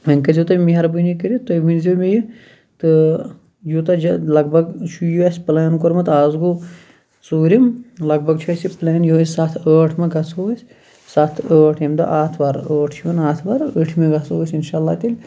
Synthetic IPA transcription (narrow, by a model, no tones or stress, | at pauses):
ɐnkɐzit̪ɐmiɦɐɾbunikəɾit̪ɐminzimeji | t̪ɨ | jut̪ɐd͡ʒɐlɐɡbʱɐɡt͡ʃʰujuɐsʲplaːnkoɾmɐt̪aːzɡu | suːɾimlɐɡ̚bɐɡt͡ʃʰɐsipleːnjusat̪ʰəːʈʰmeɡɐsoːɐsʲ | sɐt̪ʰəːʈʰɐmd̪ɐ̰ʔaːt̪ʰʋaɾəːʈʰt͡ʃʰiʋɐnaːt̪ʰʋaːɾəʈʰmẽɡɐsoːsʲinʃaːlːaːt̪ilʲ